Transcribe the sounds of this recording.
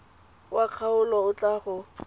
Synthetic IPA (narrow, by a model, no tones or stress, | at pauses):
waq͡χʰaʊlɔʊt͡ɬʼaχʊ